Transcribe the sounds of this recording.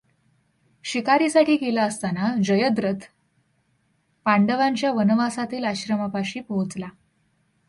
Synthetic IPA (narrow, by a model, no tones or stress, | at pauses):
ɕikaɾiːsaʈiːkelaəst̪anad͡ʑəjəd̪ɾət̪ʰ | paɳɖəʋaɲt͡ɕjaʋənʋasat̪iːlaɕɾəmapaɕiːpoɦut͡sla